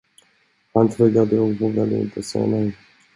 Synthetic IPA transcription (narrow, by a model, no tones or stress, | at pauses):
hant̪ʰɾɵɡːad̪əɔkvoːɡad̪əɪ̰nt̪ʰəsɛ̰ːanɛ